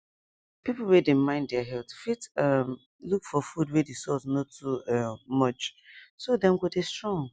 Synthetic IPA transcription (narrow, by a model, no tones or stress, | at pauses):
pipl̩ˠwɛdemãɪ̃nddɛaɦɛltfitʌm | lukfɔfud̚wɛdesɔsnotʰumʌt͡ʃsodɛ̃mɡodestɹɔ̃ŋ